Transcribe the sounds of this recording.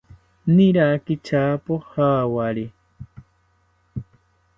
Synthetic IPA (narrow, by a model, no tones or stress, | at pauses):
niɾakɪt͡ʃaːpohaːwaɾi